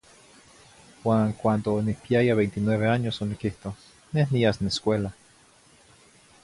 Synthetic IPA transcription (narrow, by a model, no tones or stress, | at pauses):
waːŋkʷand̪onihpiajaβejnt̪inweβeaɲosonikiht̪o | nehniasneskʷela